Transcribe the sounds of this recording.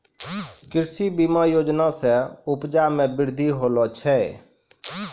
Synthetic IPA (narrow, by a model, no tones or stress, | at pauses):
kɪɾsibimãːjoːd͡ʒnasɛʊpd͡ʒaːmɛ̃bɪɾd̪ʱiɦoːlɔt͡ʃʰɛ